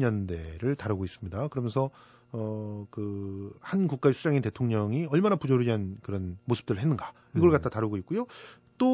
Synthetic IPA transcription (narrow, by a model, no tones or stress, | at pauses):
ʌnde̞ɾɯɭtaɾɯɡois͈ɯmɲidakɯɾʌmjʌnsʰʌ | ʌkɯhanɡuk͈̚aesʰud͡ʑaŋinte̞tʰoŋɲʌŋiʌɭmanapud͡ʑoɾiɦankɯɾʌnmosʰɯ̥p̚t͈ɯɾɯɭɦenːɯnɡa | iɡʌɭkatt͈ataɾɯɡoit̚k͈ujo | t͈o